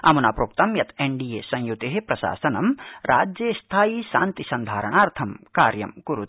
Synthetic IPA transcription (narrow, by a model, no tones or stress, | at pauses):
ɐ̰munaːpɾoːk̚t̪ɐmjɐt̪ʰeɳɖijeːsɐ̃ŋ̃jut̪eɦepɾɐʃa̰ːsɐnɐmɾa̰ːd͡ʒjeːst̪ʰaːjiʃaːnt̪isɐnd̪ʱaːɾɐɳaːɾt̪ʰɐmkaːɾjɐ̰mkuɾut̪